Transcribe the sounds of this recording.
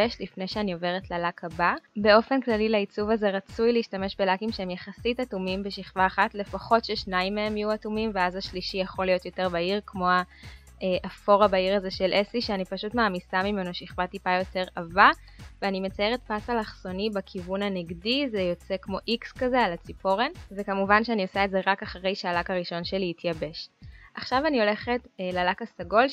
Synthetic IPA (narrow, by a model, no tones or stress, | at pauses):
eʃlifne̞jʃeanio̞ve̞ʁetlalakababe̞o̞fe̞nklalileit͡suvaze̞ʁat͡sujleiʃtame̞ʃbelakimʃeemjaχasitatumimbeʃiχvaːχatle̞faχo̞tʃeʃnaimːeemjuatumimveazaʃliʃijaχolijo̞tjo̞te̞ʁbaiʁkmo̞a | ʔeʔafo̞ʁabaiʁazeʃe̞lʔesiʃeanipaʃutmaːmisamime̞noʃiχvatipajo̞te̞ʁava | veanime̞t͡sajeʁet̚pasalaχso̞nibakʰivunaneɡdizejo̞t͡se̞kmo̞ʔikskazealat͡sipo̞ʁenvekamuvanʃeaniosaetzeʁakaχaʁejʃealakaʁiʃo̞nʃe̞liːtʰjabe̞ʃʔaχʃavanio̞le̞χetlalakasaɡo̞l